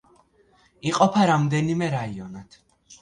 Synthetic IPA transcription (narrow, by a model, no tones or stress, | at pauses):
iqʼɔpʰaɾamd̪ɛnimɛɾaiɔnat̪ʰ